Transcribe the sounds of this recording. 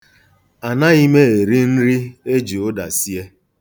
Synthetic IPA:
a˨na˦i˦me˦e˨ɾi˦n̩˦ɾi˦e˦d͡ʒi˨ʊ˦da̰˨si˦e˦

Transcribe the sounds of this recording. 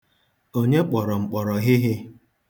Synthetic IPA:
o˦ɲe˦k͡pɔ˨ɾɔ˨ŋ͡m̩˨k͡pɔ˨ɾɔ˨ɦɪ˦ɦɪ˦

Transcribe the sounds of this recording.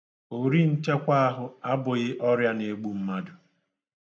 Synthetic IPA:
o˨ɾi˦n̩˦t͡ʃe˦kʷa˦a˦ɦʊ˨a˦bʊ˨ɣɪ˦ʔɔ˦ɾja˦ne˨˦ɡ͡bu˦m̩˦ma˦dʊ˨

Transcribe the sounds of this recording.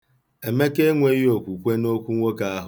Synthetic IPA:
e˨me˦ke˦ŋʷe˦jjo˨kʷu˨kʷe˦no˦kʷu˦ŋʷo˦ka˦a˦ɦ

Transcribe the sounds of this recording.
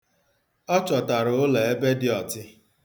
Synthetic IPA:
ɔ˦t͡ʃɔ˨ta˨ɾʊ˨ʊ˦le˨e˦be˦dɪ˦ɔ˨tɪ˦

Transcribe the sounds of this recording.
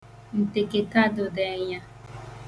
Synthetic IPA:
n̩˨te˨ke˨ta˦dʊ˨de˨˦˨ɲa˦

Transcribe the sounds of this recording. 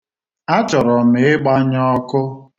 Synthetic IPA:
a˦t͡ʃɔ˨ɾɔ˨m̩ɪ˨˦ɪ˦ɡ͡ba˦ɲɔ˦kʊ˦

